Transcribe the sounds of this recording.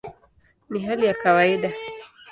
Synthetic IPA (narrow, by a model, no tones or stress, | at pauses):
niɦalijakawaiɗa